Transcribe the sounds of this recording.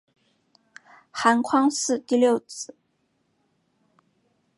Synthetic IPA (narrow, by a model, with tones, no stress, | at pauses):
xa˧˥nkʰwɑ˥ŋsɹ̩˥˧t̪i˥˧ljo˥˩ʊt͡s̩˨˧˩